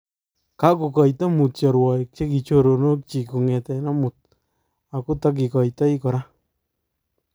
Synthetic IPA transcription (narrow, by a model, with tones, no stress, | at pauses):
ka˦ko˨kɔ˨jta˦mu˨t̚t͡ʃɔ˨ɾwɔ˨k̚t͡ʃe˦ki˨t͡ʃo˦ɾo˨no˦k̚t͡ʃi˨ku˨ŋɛ˨tɛ˨na˦mu˨t̚ | a˨ku˦ta˦k̬i˨kɔ˨jtɔ˦i˦kɔ˨ɾa˦